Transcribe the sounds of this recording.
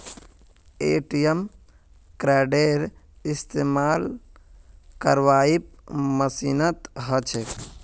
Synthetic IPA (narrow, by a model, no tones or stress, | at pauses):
ḛːʈijəm | kɾɛːɖeːɾist̪eːmaːl | kəɾʋaːip̚məsiːnət̪ɦət͡ʃʰek